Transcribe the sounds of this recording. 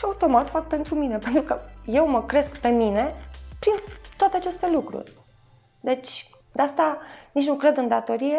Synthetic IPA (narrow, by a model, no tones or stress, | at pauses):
aut̪o̞mat̪fak̚pe̞nt̪ɾumine̞pe̞nt̪ɾukəje̞wməkɾe̞skpe̞mine̞pɾint̪oat̪eat͡ʃe̞st̪e̞lukɾṵrʲ | d̪e̞t͡ʃʲ | d̪east̪anit͡ʃnukɾe̞d̪ɨnd̪at̪o̞ɾije